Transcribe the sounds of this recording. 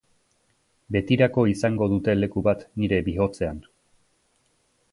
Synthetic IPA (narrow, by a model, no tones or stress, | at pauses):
be̞t̪iɾako̞isaŋɡo̞ðut̪e̞le̞kuβat̪niɾe̞biɦo̞t͡se̞an